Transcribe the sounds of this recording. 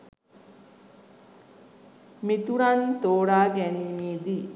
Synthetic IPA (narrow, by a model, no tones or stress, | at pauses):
mit̪uɾant̪oːɽaːɡɛniːmiːd̪i